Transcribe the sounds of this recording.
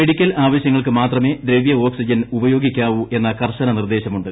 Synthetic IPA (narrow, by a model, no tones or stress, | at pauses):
meɽikʲːɐlaːʋɐɕjɐŋːɐɭkɨmaːt̪rɐme̞ːd̪ɾeːʋijɐo̞ːksid͡ʑɐnubɐjo̞ːɡikʲːaːʋuʔe̞nːɐkɐrɕɐnɐnird̪e̞ːɕɐmuɳɖɨ